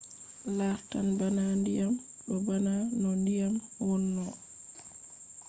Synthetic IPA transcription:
laftanbanandijam | ɗɔbananɔndijamwɔnːɔ

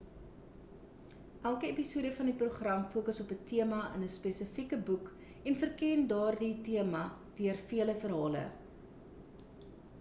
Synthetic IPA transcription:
ʔælˠkəepisuəɾəfɐndipruχrɐmfuəkəsɔpətiəmɐənəspesəfikəbuk | ɛnfərkɛndɑːrditiəmɐ | d̥yərfiələfərɦɑːlə̰

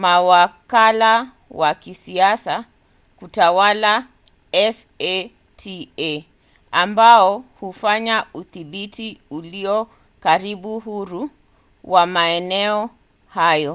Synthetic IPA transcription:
mawakala | wakisiasa | kutawala | ɛf | ɛ | tʰiɛ | ambaɔhufaɲauθiɓitiuliɔ | kaɾiɓuɦuɾu | wamaɛnɛɔ | hajɔ

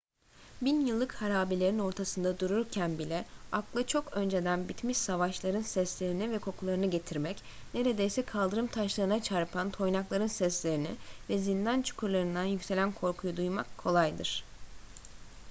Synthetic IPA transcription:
binjɯlˠːɯkhaɾaːbilʲe̞ɾino̞ɾt̪ʰasɯnd̪ad̪uɾuɾcʰænbilʲɛaklˠɯt͡ʃʰo̞kø̞nd͡ʒe̞d̪ænbit̪miʃsavaʃlˠaɾɯnsɛslʲe̞ɾinivɛkʰo̞kʰulˠaɾɯnɯɟe̞t̪ʰiɾmɛc | ne̞ɾe̞d̪e̞jsɛkʰalˠd̪ɯɾɯmt̪ʰaʃlˠaɾɯnat͡ʃʰaɾpʰant̪ʰo̞jnaklˠaɾɯnsɛslʲe̞ɾinɪ̰vɛzind̪ant͡ʃʰu̥kʰuɾlˠaɾɯnd̪anjycʲse̞lʲænkʰo̞ɾkʰujud̪ujmakʰːo̞lˠajd̪ɯɾ̥

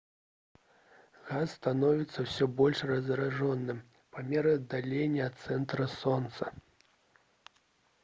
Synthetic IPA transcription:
ɣasːt̪anɔvʲit̪sːɐwsʲɔbɔlʲʂrɐzɾaʐɔnːɨm | pamʲɛɾɨɐd̪alʲenʲːɐɐt̪sɛnt̪ɾɐsɔnt̪sɐ

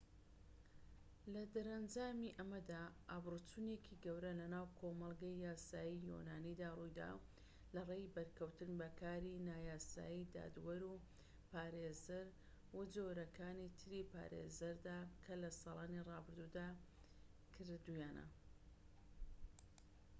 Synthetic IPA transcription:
lɐd̪ɐɾɐnd͡ʒaːmiʔɐmɐd̪aːʔaːbrɨt͡sunekʰiɡɐwɾɐlɐnaːwkʰomɐlˠɡɐjjaːsaːjijo̰naːnid̪aːrujd̪a̰ | lɐreːjbɐɾkʰɐwt̪ɨnbɐkʰaːɾinaːjaːsa̰ːjid̪a̰ːd̪wɐɾu | paːɾezɐɾ | wʊd͡zoɾɐkʰaːnit̪ʰɨɾipʰa̰ɾḛzɐɾd̪aːkʰɐlɐsɑːlˠɑːnirɑːbɨɾd̪ud̪aː | kʰɨɾd̪ujaːnɐ̰

